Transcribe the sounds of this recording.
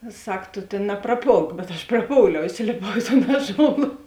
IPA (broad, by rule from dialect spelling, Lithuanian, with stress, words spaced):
ɪ ˈsɐk ˈtoː ˈtʲeːn nɐprɐˈpoːlˠk bʲɛt ɐʃ prɐˈpoːʊlʲɛʊ ɪˈsʲɪlʲeːpɐʊ ɪ toːn ˈɑːˌʒoːlˠɐ